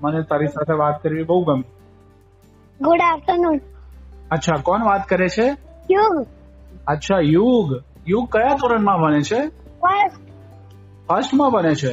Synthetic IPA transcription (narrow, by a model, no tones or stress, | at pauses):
mənet̪aɾisat̪ʰeʋat̪̚kəɾʋibəɦuɡəmi | ɡʊɖaft̪ənu | ətːʃʰakɔnʋat̪kəɾet͡ʃʰejuɡ | ətːʃʰajuɡ | juɡ̚kəjat̪oɾəɳmãbʱənet͡ʃʰe | fəsʈ | fəsʈmãbənet͡ʃʰe